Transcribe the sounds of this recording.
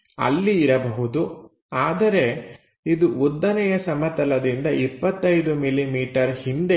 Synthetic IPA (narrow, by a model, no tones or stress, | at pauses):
ɐ̰lːiːɾɐbɐɦud̪u | aːd̪ɐɾe̞ | id̪uʔud̪ːɐnɛjɐsɐmɐt̪ɐlɐd̪ind̪ɐipːɐt̪ːɐjd̪umilimiːʈɐɾhind̪e